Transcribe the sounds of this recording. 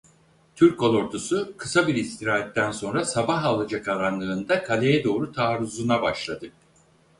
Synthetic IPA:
t̪ʰyɾkʰo̞lˠoɾt̪ʰusukʰɯ̥sabiɾist̪iɾaːɛt̪ːænso̞nɾasabaɦalˠad͡ʒakʰaɾanlˠɯːnd̪akʰalʲejɛd̪o̞ːɾut̪ʰaːɾuzunabaʃlˠad̪ɯ

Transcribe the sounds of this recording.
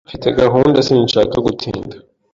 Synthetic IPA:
fitʰeɡaɦuːndasiint͡ʃakoɡutʰḭːŋɡa

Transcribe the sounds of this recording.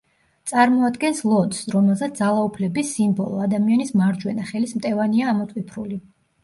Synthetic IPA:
t̪sʼaɾmɔad̪ɡɛnslˠɔd̪sɾɔmɛlˠzɛt̪sd̪zalˠaupʰlɛbisimbɔlˠɔad̪amianismaɾd͡ʒwɛnaχɛlismt̪ʼɛvaniaːmɔt̪ʼwipʰɾuli

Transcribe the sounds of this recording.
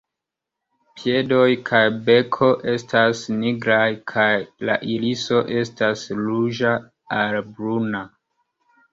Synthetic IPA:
pie̞do̞jkʰajbe̞kʰo̞ʔe̞stasniɡɾajkʰajla̰ʔiliso̞ʔe̞staslud͡ʒa | albɾuna

